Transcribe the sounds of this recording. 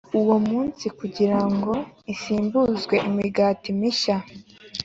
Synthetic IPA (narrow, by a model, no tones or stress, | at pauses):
uwo̞muːnsikuɟiɾaŋɡo̞isiːmbuzɡwe̞ʔimiɡaːtimiʃa